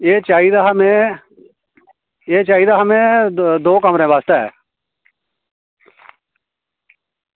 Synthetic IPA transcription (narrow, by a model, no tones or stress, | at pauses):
eːt͡ʃaːid̪aɦmẽ | eːt͡ʃaːid̪aːɦəmẽːd̪oːkəmɾẽːʋaːst̪eɛ̰ː